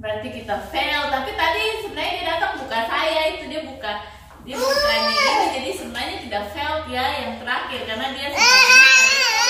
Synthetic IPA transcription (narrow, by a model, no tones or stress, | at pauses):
bəɾart̪ikit̪afɛlt̪apit̪adisəbənarɲadiadat̪əŋbukasajait̪udiabuka | diabukaɲaamad͡ʒadisəbənaɲat̪idaʔfɛlt̪jajaŋt̪əɾakɪrkarnadiasəaa